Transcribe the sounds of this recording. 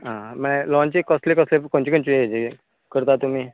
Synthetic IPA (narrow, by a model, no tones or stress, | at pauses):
ɦãmɛ̃lɔnt͡ɕikəslekɔslekoɳt͡ɕikəɳt͡ɕieed͡ʑi | kəɾt̪at̪um̤iː